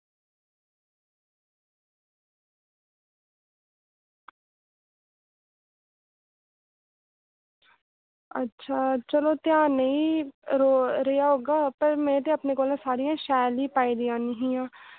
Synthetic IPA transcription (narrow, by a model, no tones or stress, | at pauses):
ɐ̰tːʃʰaːt͡ʃɐlot̪jãːnɐɦĩɾoɾejaɦoːɡaːpɐɾmẽːt̪eɐpnekoːlãsaːɾijãʃaːlipaːid̪ijãnɐɦĩjãː